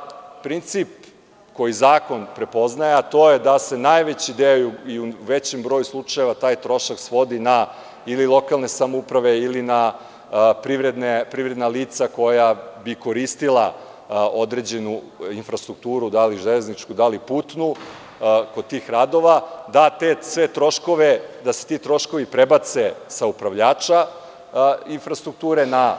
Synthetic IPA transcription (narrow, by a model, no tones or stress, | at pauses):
pɾint̪sip | ko̞jizaːko̞npɾe̞po̞znajat̪o̞ːjed̪ase̞najʋet͡ɕid̪ejojuiuʋe̞t͡ɕembɾojuslˠut͡ʂaje̞ʋat̪aːjt̪ɾo̞ʃaksʋo̞d̪ina | ililˠo̞kalˠne̞samoupɾaʋe̞ilina | pɾiʋɾed̪nepɾivɾe̞d̪naliːt̪sako̞jabiko̞ɾist̪ilˠa | o̞d̪ɾe̞d͡ʑenu | infɾast̪ɾukt̪uːɾud̪aliʒeleznit͡ʃkud̪aliput̪nu | kot̪iːxɾad̪o̞ʋad̪at̪esʋe̞t̪ɾo̞ʃko̞ʋed̪ase̥t̪it̪ɾo̞ʃko̞ʋipɾebat̪sesaupɾaʋʎaːt͡ʃa | infɾast̪ɾuk̚t̪uːɾe̞na